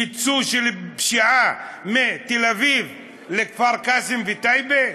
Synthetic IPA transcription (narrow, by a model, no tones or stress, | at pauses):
it͡suʃelpʃiʕamet̪elaviv | lekfaʁkasimvit̪ajbe